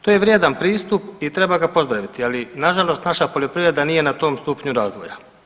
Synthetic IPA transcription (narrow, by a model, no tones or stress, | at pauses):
t̪oːjeʋɾʲjed̪anpɾiːst̪upit̪ɾe̞baɡapo̞zd̪ɾaʋit̪ialinaʒalˠo̞st̪naʃapo̞ʎo̞pɾivɾe̞d̪anije̞nat̪o̞ːmst̪upɲuɾaːzʋo̞ja